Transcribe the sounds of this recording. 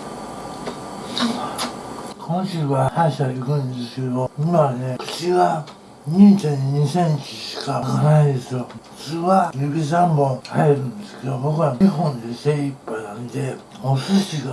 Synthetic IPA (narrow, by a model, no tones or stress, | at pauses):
kʰõ̞ɰ̃ɕɨːβahaiɕaikɯ̟̃nd̪e̞sɨ̥ke̞d̪o̞imane̞kɯ̟̥t͡ɕiɡa | ɲĩɲt͡ɕãɲ̟iɲ̟isẽɲt͡ɕiɕi̥kakanaid̪e̞sɨjoɸɯ̥t͡sɨːβajɯbʲis̬ãmmõhaeɾɯ̟̃nd̪e̞sɨ̥ke̞d̪obo̞kɯβaiɦõ̞nd̪e̞seipːanãnd̪e̞ | osɨɕiɡa